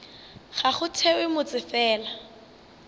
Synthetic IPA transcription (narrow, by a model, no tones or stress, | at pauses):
χaχʊtʰɛwɪmʊt͡sʼɪfɛːla